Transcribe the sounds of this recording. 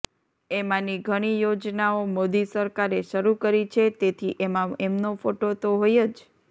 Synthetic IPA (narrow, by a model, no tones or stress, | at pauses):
emãniɡʱəɽ̃ijod͡ʒnaomod̪isəɾkaɾeʃəɾukəɾit͡ʃʰet̪et̪ʰiʔemãemnofoʈot̪oɦojed͡ʒ